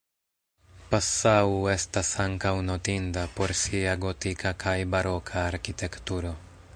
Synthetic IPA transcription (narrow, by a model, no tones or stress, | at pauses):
pasauest̪asaŋkawnot̪ind̪apoɾsiaɡot̪ikakʰajbaɾokʰaːɾkit̪ekt̪uɾo